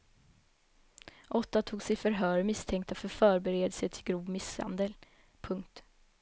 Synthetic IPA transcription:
ʔɔt̪ːat̪ʰuːɡsɪfœɾɦœːɾmɪst̪ʰɛŋkt̪afœɾfœːɾbɛɾeːd̪əsət̪ʰɪlɡɾuːvmɪsha̰nd̪əl | pʰɵŋk̚t̪

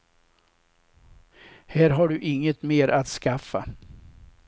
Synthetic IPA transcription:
hæːɾɦaɖɵʔɪŋːət̪meːɾʔat̪skafːa

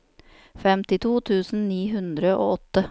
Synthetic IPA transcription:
fɛmt̪ɪt̪ʰuːt̪ʰʉːsn̩niːɦʉnd̪ɾəʔo̰ːɔt̪ːə

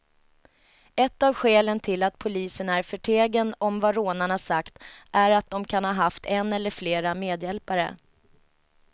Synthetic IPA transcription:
ɛt̪ːavɧeːlənt̪ʰɪlːat̪̚pʰʊliːsənæɾfœʈʰeːɡənɔmvaɾoːnaɳasakt̪ʔæɾat̪̚d̪ɔmkʰanhɑːɦaft̪ʰɛnɛlːəɾfleːɾameːd̪jɛlpaɾə̰

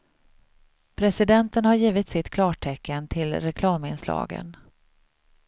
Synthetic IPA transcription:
pʰɾɛsɪd̪ɛnt̪ənhaɾjiːvɪt̪sɪt̪kʰlɑːʈʰɛkːənt̪ʰɪlɾɛkʰlɑːmɪnslɑ̰ːɡə̰n

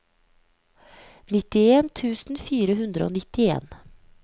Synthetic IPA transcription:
nɪt̪ɪeːnt̪ʰʉːsn̩fiːɾəhʉnd̪ɾəo̰ːnɪt̪ɪḛːn

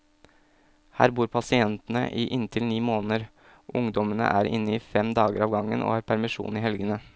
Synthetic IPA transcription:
hæ̰ːɾbuːɾpʰɑsɪɛnt̪nə̰ʔiːʔɪnt̪ʰɪlniːmoːnəɾ | ʔʊŋd̪ɔmənə̰ʔæːɾɪ̰nːəiːfɛmd̪ɑːɡəɾɑːʋɡɑŋːənʔo̰ːhɑːɾpʰæɾmɪʂṵːnɪːɦɛlɡənə

